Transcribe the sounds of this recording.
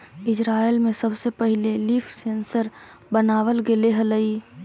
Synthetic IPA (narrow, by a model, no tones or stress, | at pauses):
ɪd͡ʒɾaːelmẽsəbsepəɦɪlelifʰseːnsəɾ | bənaːʋəlɡeleɦələi